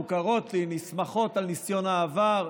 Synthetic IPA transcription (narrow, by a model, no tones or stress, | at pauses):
ukaʁo̞tlenismaχo̞talnisjo̞naːvaʁ